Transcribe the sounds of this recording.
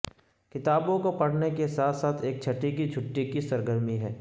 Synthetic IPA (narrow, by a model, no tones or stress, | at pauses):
kɪt̪aːbõkopɐɽ̤nekesaːt̪ʰsaːt̪ʰeːk̚t͡ʃʰɐʈːikid͡ʒʱʊʈːikisɐɾɡəɾmiɦɛː